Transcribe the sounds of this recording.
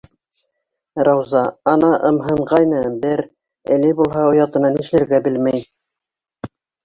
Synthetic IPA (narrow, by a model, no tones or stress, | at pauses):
rɑwzɑɑnɑʔɤ̆mɦɤ̆ɴʁɑjnɤbɘɾ | æ̰̆lɘbulˠhɑŏjɑt̪ɤ̆nɑniʃlɘ̆ɾɡæbɘlmæj